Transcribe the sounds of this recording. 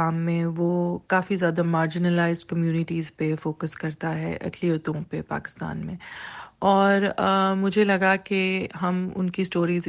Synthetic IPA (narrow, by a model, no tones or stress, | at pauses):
aːmːẽʋoːkaːfizjaːd̪amaːɾd͡ʒɪnəlaːɪzɖ̚kɐmjuːnɪʈiːzpefoːkəskɐɾt̪aɦɛ̰ʔɐ̰ʈʰlioːt̪õpepa̰ːkɪ̥st̪a̰ːnmẽːɔːɾmʊd͡ʒʱelɐɡakeɦɐmʊ̰nkisʈoːɾiːz